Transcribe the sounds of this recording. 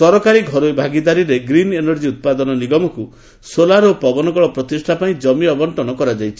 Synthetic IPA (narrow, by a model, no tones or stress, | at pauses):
sɔɾɔkaɾiɡʱɔɾojbʱaɡid̪aɾiɾeɡɾinenɔɾd͡ʒiut̪̚pad̪ɔnɔniɡɔmɔku | solaɾopɔbɔnɔɡɔɭɔpɾɔt̪isʈʰapaĩd͡ʒɔmiɔbɔɳʈɔnɔkɔɾad͡ʒajt͡ʃʰi̥